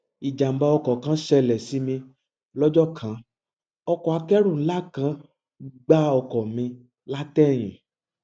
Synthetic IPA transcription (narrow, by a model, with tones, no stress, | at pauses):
i˨d͡ʒa˨m̩˨ba˧ɔ˧kɔ˨kã˦ʃɛ˧lɛ˨si˨˦mĩ˧ | lɔ˦d͡ʒɔ˦˨kʰã˨˦ | ɔ˧kɔ˨a˨˧kɛ˦ɾũ˦˨n̩˦la˦˨kã˨˦ | ɡ͡ba˦ɔ˧kɔ˨mĩ˧ | la˦tɛ˦˨j̃ḭ̃˨